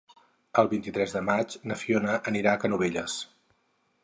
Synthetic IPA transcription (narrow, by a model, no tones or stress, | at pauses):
əlˠβint̪it̪ɾɛzðəmat͡ʃnəfionəʔəniɾakənuβ̞eʎəs